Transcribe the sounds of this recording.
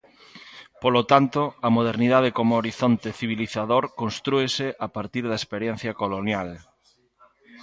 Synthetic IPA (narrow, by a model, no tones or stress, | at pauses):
polot̪ant̪oamoð̞eɾniðað̞ekomooɾiθont̪eθiβiliθaðoɾkonst̪ɾueseʔapaɾt̪iɾðaespeɾjɛn̟θjakolonjal